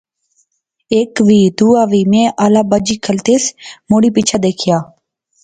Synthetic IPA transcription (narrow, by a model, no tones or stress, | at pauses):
eːkʋiːd̪uːaːʋiːmẽːʔaːlaːbəd͡ʒiːkʰəlt̪eːsmoːɽiːpɪt͡ʃʰaːd̪eːkʰɪjaː